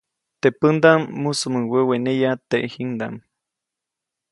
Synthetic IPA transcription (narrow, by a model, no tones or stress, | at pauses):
t̪epɨnd̪amːusumɨwewenejat̪eʔhiŋd̪a̰m